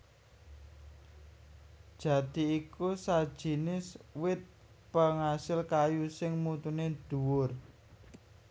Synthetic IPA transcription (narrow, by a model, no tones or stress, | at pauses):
d̥ʒ̥ä̤d̪̥i̤ikusad̥ʒ̥i̤nɪswɪt̪̚ | pəŋasɪlkajusɪŋmut̪uned̪̥ṳwʊr